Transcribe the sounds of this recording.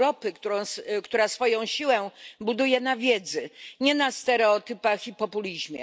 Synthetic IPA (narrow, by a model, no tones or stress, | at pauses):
ɾɔpɘkt̪uɾɔ̃skt̪uɾasfɔjɔ̃w̃ɕiwɛbud̪ujɛnavʲjɛd̪zɘɲɛnast̪ɛɾɛɔt̪ɘpaxipɔpulʲiʑmʲjɛ̰